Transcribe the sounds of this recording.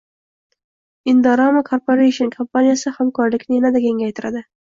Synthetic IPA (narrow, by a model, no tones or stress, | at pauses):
ɪnd̪ɑɾɑmakʰoɾpoɾejʃonkʰompanijasɪhamkʰɒɾlɪkʲnɪjanad̪akʲe̞ŋɡʲajt̪ʰɪɾad̪ɪ